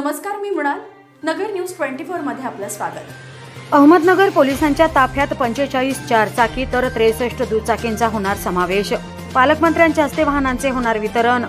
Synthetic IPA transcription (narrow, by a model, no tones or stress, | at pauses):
nəməskaɾmiːm̤ɽ̃al | nəɡəɾnjuːsʈʋeɳʈifoɾməd̪ʱːjeapləsʋa̰ɡət̪ | əɦməd̪nəɡəɾpolisaɲt͡ɕjat̪apʰjat̪pəɲt͡ɕet͡ɕaɭiːst͡ɕaɾt͡sakiːt̪əɾt̪ɾesəʂʈəd̪uːd̪t͡sakent͡saɦoɽ̃aɾsəmaʋeɕ | paləkmənt̪ɾjãɲt͡ɕjaəst̪eʋaɦnãnt͡seɦoɽ̃aɾʋit̪əɾəɳ